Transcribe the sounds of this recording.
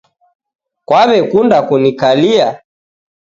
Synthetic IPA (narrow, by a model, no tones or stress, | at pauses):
kwaβɛkundakunikalia